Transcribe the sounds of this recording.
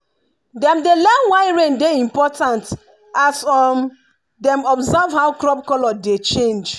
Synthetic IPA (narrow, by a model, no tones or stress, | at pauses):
dɛ̃mdelɛwaɪɹẽndeĩmpɔtãnt | asɔn | dɛ̃mɔbzavhawkɹɔb̚kɔlɔdet͡ʃẽnd͡ʒ